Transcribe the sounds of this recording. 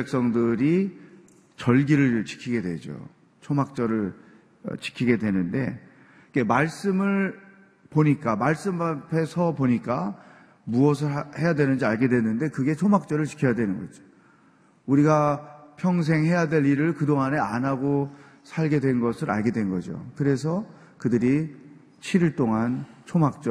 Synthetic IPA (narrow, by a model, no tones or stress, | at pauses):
ek̚s͈ʌŋdɯɾi | t͡ɕʌɭɡiɾɯɭt͡ɕi̥kʰiɡe̞dwe̞̰d͡ʑo̰ | t͡ɕʰomak̚t͡ɕ͈ʌɾɯɭ̰ | t͡ɕi̥kʰiɡe̞dwe̞nɯnde̞ | ike̞maɭs͈ɯmɯɭ | poɲik͈amaɭs͈ɯmapʰe̞sʰʌpoɲik͈a | muʌsʰɯhe̞jadwe̞nɯnd͡ʑiaɭɡe̞dwe̞nɯnde̞kɯɡe̞t͡ɕʰomak̚t͡ɕ͈ʌɾɯɭt͡ɕi̥kʰjʌjadwe̞nɯnɡʌd͡ʑo̥ | uɾiɡapʰjʌŋs̬ʰe̞ŋɦe̞jadwe̞ʎːiɾɯɭkɯdoŋane̞a̰nɦaɡo | sʰaɭɡe̞dwe̞nɡʌsʰɯɾa̰ɭɡe̞dwe̞nnɡʌd͡ʑo̰kɯɾe̞s̬ʰʌ | kɯdɯɾi | t͡ɕʰiɾiɭt͈oŋant͡ɕʰomak̚t͡ɕ͈ʌ